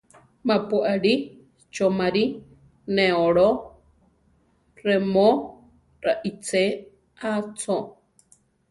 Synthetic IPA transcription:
mapuʔaɺi | t͡ʃomaɾi | neoɺo | remo | ɾaʔit͡se | at͡sʰo

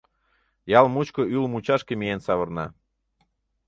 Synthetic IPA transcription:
jɑlmut͡ɕkoylmut͡ɕɑʃkemijensɑβɤrnɑ̰

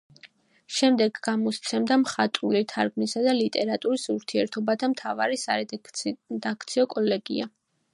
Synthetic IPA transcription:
ʃɛmd̪ɛɡɡamɔst̪sʰɛmd̪amχat̪ʼulit̪ʰaɾɡnisad̪alit̪ʼɛɾat̪ʼuɾisuɾt̪ʰiɛɾt̪ʰɔbat̪ʰamt̪ʰava̰ɾisaɛ | d̪akʰt̪sʰiɔkʼɔlɛɡ̥ḭa

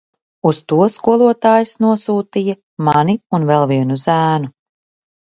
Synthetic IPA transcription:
ust̪uɔskuɔlˠuɔt̪aːjisnuɔsuːt̪ija | maniunvɛlˠviɛnuzæːnu

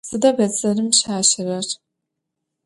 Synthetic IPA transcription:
sɨdɐbɐt͡sʼɐrɨmɕaːɕɪrɐr

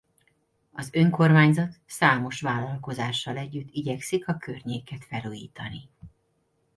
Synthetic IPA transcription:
ɒzø̞ŋko̞rmaːɲzɒt̪saːmo̞ʃʋaːlːɒlko̞zaːʃːɒlɛɟːyt̪ːiɟɛksikɒkørɲeːkɛt̪fɛlujḭːt̪ɒni

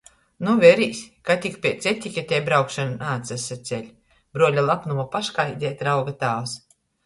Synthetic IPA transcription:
nuvɛɾiːsʲkat̪ʲikpʲiɛt̪sʲɛt̪ʲikʲɛt̪ʲɛjbɾawkʃanunaːt̪sasat̪sʲɛlʲ | b̥ɾuɔlʲalˠapnumapaʃkajd̪ʲɛːt̪ʲɾawɡat̪aːws

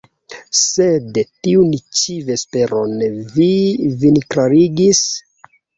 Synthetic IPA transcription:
sedtiunt͡ʃive̞spe̞ɾonvivinkɾaɾiɡis

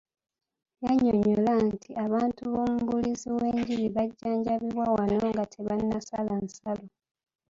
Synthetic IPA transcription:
jaɲoɲolantiʔaβaːntuβo̞ːmuβuliziwe̞ːɲɟiɾiβaɟːaːɲɟaβiβwawanoŋɡatʰeβanːasalansalo

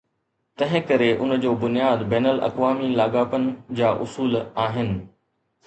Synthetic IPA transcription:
t̪ɐ̃ɦɪ̃kɐɾeʔʊnd͡ʑoːbʊnijaːd̪bɛːnəlɐ̰kʋaːmilaːɡaːpənɪ̆d͡ʑaːʔʊ̰suːlaːɦɪnɪ̆

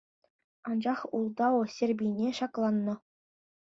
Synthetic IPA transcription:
ɑnd͡ʑɑχulˠd̪ɑŏsʲerʲbʲinʲeʂɑklˠɑnːɤ̆

